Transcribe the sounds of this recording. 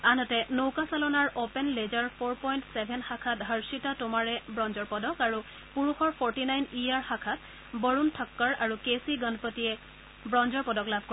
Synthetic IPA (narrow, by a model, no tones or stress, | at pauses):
anɔtɛnowkasalɔnaɹopɛnlezaɹpʰoɹpɔjntsɛbʱɛnxakʰatɦəɹsitatʊmaɹɛbɹɔnzɔɹpɔdɔkaɹu | puɹuxɔɹpʰɔɹtinajnijaɹxakʰat̚ | bɔɹuntʰɔkːɔɹaɹukesiɡɔnpɔtijɛ | bɹɔnzɔɹpɔdɔklabʱko